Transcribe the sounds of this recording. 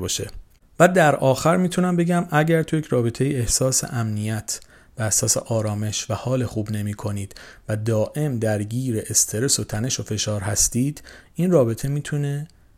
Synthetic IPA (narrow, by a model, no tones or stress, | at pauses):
bɒːʃḛ | væd̪æɾʔɒːxæɾmiːt̪ʰunæmbe̞ɟæmʔæɟæɾt̪ʰujecʰɾɒːbe̞t̪ʰe̞jiehsɒːsḛʔæmnijæt̪ʰ | b̥ææhsɒːsḛʔɒːɾɒːme̞ʃvæhɒːlexuːbne̞miːkʰo̞niːd̪̥væd̪ɒːʔe̞md̪æɾɟiːɾe̞ʔest̪ʰe̞ɾe̞so̞t̪ʰæne̞ʃo̞fe̞ʃɒːɾɦæst̪iːd̪̥inrɒːbe̞t̪ʰe̞miːt̪ʰune̞